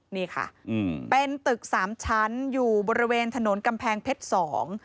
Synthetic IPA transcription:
niː˥˩kʰa̰˥˩˧pe˧nt̪ɯ˨˩k̚saː˩˦mt͡ɕʰa˦˥njuː˨˩bɔː˧ɾi˦˥weː˧nt̪ʰa˧no˩˦nka˧mpʰɛː˧ŋpʰe˦˥t̪̚sɔː˩˦ŋ

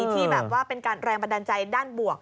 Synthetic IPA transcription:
iː˧t̪ʰiː˥˩bɛː˨˩p̚waː˥˩pe˧nkaː˧nɾɛː˧ŋpa˧da˧nt͡ɕa˧jdaː˥˩nbu˨˩ək̚

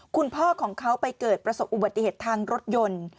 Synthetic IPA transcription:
kʰu˧npʰɔː˥˩kʰɔː˩˦ŋkʰa˦˥wpa˧jkɤː˨˩t̪̚pɾa˧so˨˩pʔu˨˩ba˨˩t̪ːi˨heː˨˩t̪ʰːaː˧ŋɾo˦˥t̪̚jo˧n

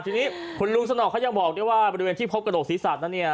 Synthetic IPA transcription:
t͡ɕ̪ʰːniː˦˥kʰu˧nlu˦˥ŋsa˧nɔː˨˩kʰːa˦˥ja˧ŋbɔː˨˩k̚u˥˩jwaː˥˩bɔː˧ɾi˧weː˧nt̪iː˥˩pʰo˦˥p̚kɾa˧doː˨˩siː˩˦saː˨˩na˦˥nːi˥˩ɐ

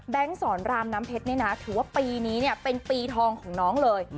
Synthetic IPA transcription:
bɛ˦˥ŋsɔː˩˦nɾaː˧mnaː˦˥mpʰe˦˥t̪̚ni˦˥na˦˥t̪ʰɯː˩˦waː˥˩piː˧niː˦˥ni˥˩pe˧npiː˧t̪ʰɔː˧ŋkʰɔː˩˦ŋnɔː˦˥ŋlɤː˧j

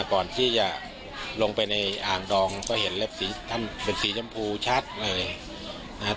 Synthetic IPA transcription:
kɔː˨˩nt̪ʰiː˥˩t͡ɕa˨˩ | lo˧ŋpa˧jna˧jʔaː˨˩ŋdɔː˧ŋkɔː˥˩he˩˦nle˦˥˩p̚siː˩˦t̪ʰa˥˩npe˧nsiː˩˦t͡ɕa˧mpʰuː˧t͡ɕʰa˦˥˩t̪̚lɤː˧j | na˦˥

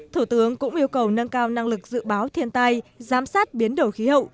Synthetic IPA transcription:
t̪ʰu˧˩t̪ɨ˨˦əŋkʊ̰˧˥ŋ͡mʔi˧əwkə˨˩wnə˧nkaː˧wna˧ŋlɨ˨˩k̚z̥ɨ̰˧˨ɓaː˨˦wt̪ʰi˧ənt̪a˧jzaː˨˦msaː˦˥t̚ɓi˨˦ənɗo˧˩wxi˨˦hə̰˧˨wʔ

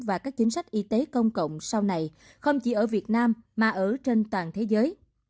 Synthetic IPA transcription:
vaː˨˩kaː˦˥k̚t͡ɕï˨˦ŋ̟sa˦˥jk̚ʔi˧t̪e˨˦kə˧wŋ͡mkə̰˧˨wŋ͡msa˧wna˧˩j | xə˧wŋ͡mt͡ɕi˧˩ʔəː˧˩vi˨˩ət̚naː˧mːaː˨˩ʔəː˧˩t͡ɕe˧nt̪waː˨˩nt̪ʰe˨˦zəː˨˦j

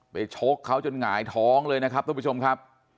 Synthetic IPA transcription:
pa˧jt͡ɕʰo˦˥kʰːa˦˥wt͡ɕo˧nŋaː˩˦jt̪ʰɔː˦˥ŋlɤː˧jna˦˥kʰa˦˥p̚t̪ʰu˧˩pʰːu˥t͡ɕʰo˧mkʰa˦˥p̚

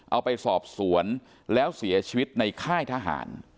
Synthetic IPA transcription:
ʔa˧wpa˧jsɔː˨˩p̚su˩˦ən | lɛː˦˥wsi˩˦ɐt͡ɕʰiː˧wi˦˥t̪̚na˧jkʰaː˥˩jt̪ʰaː˧ɦa̰ː˩˦n

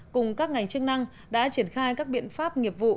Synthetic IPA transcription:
kʊ˨˩ŋ͡mkaː˦˥k̚ŋa˨˩jŋ̟t͡ɕɨ˦˥k̚na˧ŋ | ɗa̰ː˧˥t͡ɕi˧˩ənxaː˧jkaː˦˥k̚ɓḭ˧˨ənfaː˦˥p̚ŋi˨˩əp̚vṵ˧˨

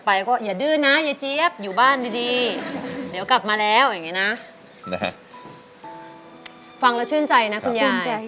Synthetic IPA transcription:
pa˧jkɔː˥˩jaː˨˩dɯː˧˥˩na˦˥jaː˨˩t͡ɕi˦˥əp̚juː˨˩baː˥˩ndiː˧diː˧ | di˨˩˦wkla˨˩p̚maː˧lɛː˦˥wja˨˩ŋːi˦˥na˦˥ʔ | fa˧ŋla˦˥t͡ɕʰɯː˥˩ənt͡ɕa˧jna˦˥kʰu˧njaː˥˧

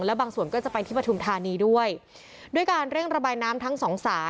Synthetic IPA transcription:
ŋlɛ˦˥baː˧ŋsu˨˩ənkɔː˥˩t͡ɕa˨˩pa˧jt̪ʰiː˥˩pɾa˧t͡ɕʰu˧mt̪ʰaː˧niː˧du˥˩əj | du˥˩əjkaː˧nɾe˥˩ŋɾa˧baː˧jnaː˦˥mt̪ʰa˦˥ŋsɔː˩˦ŋsaː˩˦

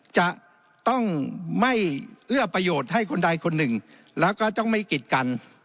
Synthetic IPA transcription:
t͡ɕa˨˩ʔ | t̪ɔ˥˩ŋma˥˩jʔɯ˥˩ɐpɾa˧joː˨˩t̪̚ha˥˩jkʰo˧nda˧jkʰo˧nːɯ˨˩ŋ | lɛː˦˥wkɔː˥˩t̪ɔ˥˩ŋma˥˩jki˨˩t̪̚ka˧n

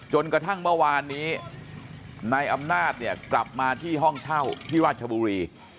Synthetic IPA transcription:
t͡ɕo˧nkɾa˧t̪ʰa˥˩ŋmɯ˥˩əwaː˧nːiː˦˥ | na˧jʔa˧mnaː˥˩t̪̚ni˥˩ɐkla˨˩p̚maː˧t̪ʰiː˥˩ɦɔ˥˩ŋt͡ɕʰa˥˩wp̪ʰiː˥˩ɾaː˥˩t͡ɕʰa˧buː˧ɾiː˧

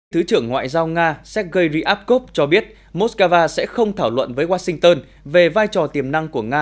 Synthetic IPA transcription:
t̪ʰɨ˨˦t͡ɕɨ˧˩əŋːwa̰ː˧˨jzaː˧wŋaː˧sɛ˦˥t̚ɣə˧jɣi˧ʔaː˦˥p̚ko˦˥p̚t͡ɕɔ˧ɓi˦˥ət̚ | mo˦˥t̚kəː˧vaː˧sɛ̰˧˥xə˧wŋ͡mt̪ʰaː˧˩wlwə̰˧˨nvəː˨˦jwaː˧sï˧ŋt̪əː˧n | ve˨˩vaː˧jt͡ɕɔ˨˩t̪i˨˩əmna˧ŋku˧˩əŋaː˧

